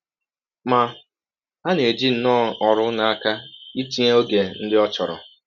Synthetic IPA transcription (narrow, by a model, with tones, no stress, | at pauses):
ma˨ | ɦa˦ne˨d͡ʒi˦n̩˨nɔː˦˨ɔ˨ɾʊ˦na˨a˦˨ka˦i˦ti˦a˦o˦ɡe˨n̩˦dɪ˦ɔ˦t͡ʃɔ˨ɾɔ̰˨